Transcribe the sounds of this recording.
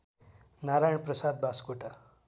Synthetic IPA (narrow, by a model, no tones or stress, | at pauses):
naɾajɳpɾəsad̪̚bʱaskoʈa